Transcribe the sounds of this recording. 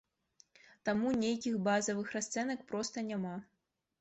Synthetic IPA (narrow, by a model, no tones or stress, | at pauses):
t̪amunʲejkʲixbazɐvɨxrast̪sɛnɐk̚pɾɔst̪ɐnʲama